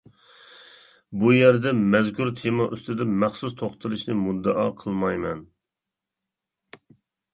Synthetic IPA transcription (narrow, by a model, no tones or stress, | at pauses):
bujæɾd̪ɛmɛzkʲʰuɾt̪ʰɪmɑʔyst̪ɪd̪ɛmæχsust̪ʰoχt̪ʰɨlˠɨʃnɨmud̪ːəʔɑːqʰəlˠmɑjmɛn